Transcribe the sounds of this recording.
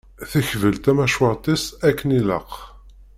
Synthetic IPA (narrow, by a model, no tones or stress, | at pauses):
θəçvəlt̪æmæʃwəʁt̪ˤisækːənilə̰q